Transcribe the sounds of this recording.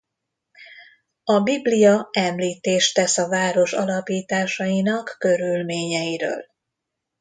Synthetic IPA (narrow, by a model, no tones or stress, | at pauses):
ɒbiblijɒɛmliːt̪eːʃt̪ɛsɒvaːɾo̞ʃɒ̰lɒpiːt̪aːʃɒjinɒkːøɾylmeːɲɛjiɾø̰ːl